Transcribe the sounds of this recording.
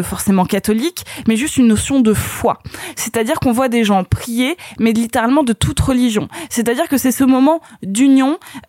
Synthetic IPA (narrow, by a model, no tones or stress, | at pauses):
fɔʁsemɑ̃kat̪ɔlikmɛʒyst̪ynːɔsjɔ̃d̪əfwa̰sɛt̪ad̪iʁkɔ̃vwad̪eʒɑ̃pχijemɛlit̪eʁalmɑ̃d̪ət̪ʰut̪ʁəliʒjɔ̃sɛt̪ad̪iʁkəsɛsəmɔmɑ̃d̪ynjɔ̃